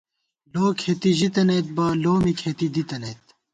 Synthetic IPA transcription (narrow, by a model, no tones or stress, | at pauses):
loːkʰet̪iʑit̪ɐnet̪̚baːloːmikʰet̪id̪it̪ɐnet̪